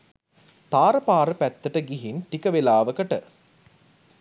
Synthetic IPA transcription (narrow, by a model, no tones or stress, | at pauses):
t̪aːɾɐpaːɾəpæt̪ːəʈəɡiɦinʈikɐʋelaːʋəkəʈə